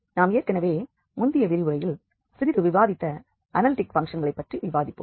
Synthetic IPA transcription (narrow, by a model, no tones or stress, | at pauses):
naːmeːrkɐnɐʋeː | mʊnd̪ɪjɐʋɪɾɪʋɯɾɐjɪl | sɪɾɪɾɯʋɪʋaːðɪt̪ːɐ | ʔɐnɐlɪʈɪkfɐŋkʂɐnɡɐɭɐɪpːɐʈriʋɪʋaːðɪpːɯ̰m